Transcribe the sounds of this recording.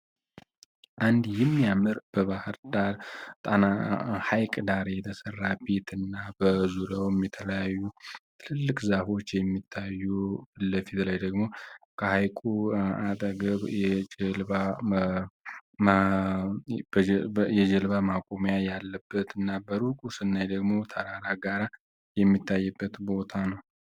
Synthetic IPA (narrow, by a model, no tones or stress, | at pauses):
ʔand̪jɪmːijamɨɾb̥əβahɨɾd̪aɾt̪ʼanahajkʼd̪aɾejɛt̪ʰəsərːabet̪ɨnːabəzuɾowɛmːɛt̪ʰələjajːut̪ʰɨlɨlːɨkʼzafo̞t͡ʃːjɛmːit̪ʰːajːubɨlːəfit̪lajd̪əɡmo̞kʰəhajkʼuat̪ʼəɡəβjɛd͡ʒəlba | jɛd͡ʒəlβamakʼomjajalːəbːət̪ɨnːabəɾukʼusɨnːajd̪əɡmo̞t̪ʰəɾaɾaɡaɾa | jɛmːit̪ʰːajːɛbːət̪bo̞t̪ʰanəw